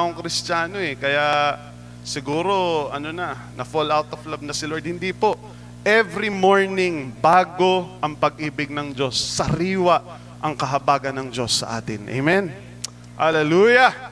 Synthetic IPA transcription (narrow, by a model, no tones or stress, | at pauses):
ʔoŋkɾɪst͡ʃaːno̞ɛkɐja | sɪɡuːɾo̞ɐnonɐ | nɐfolawt̪oflɐb̚nɐsɪloɹd̪̚hɪnd̪ipo̞ʔ | ʔɛvɾimoɹnɪŋbaːɡo̞ʔɐŋpɐɡ̚ʔiːbɪɡ̚nɐŋd͡ʒo̞sːɐɾiːwɐʔ | ʔɐŋkɐɦɐbaːɡɐnːɐŋd͡ʒo̞sːɐ̰ʔa̰ːt̪ɪnʔḛjmɛn | hɐlɛluːjɐ